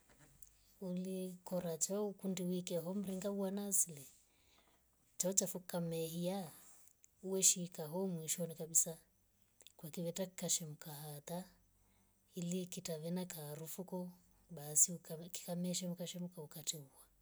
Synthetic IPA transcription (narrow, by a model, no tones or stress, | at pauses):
ulikɔɾat͡ʃaukundiwikɛɦɔm̩ɾiŋɡawanasilɛ | t͡ʃaɔt͡ʃafukamɛɦia | uwɛʃikaɦɔmwiʃɔnikaɓisa | kwakiβɛtakikaʃɛmukaɦat̪a | ilikitaβɛnakaɾufukɔ | ɓasiuki̥kamɛʃɛm̩kaʃɛmukaukatɛuwa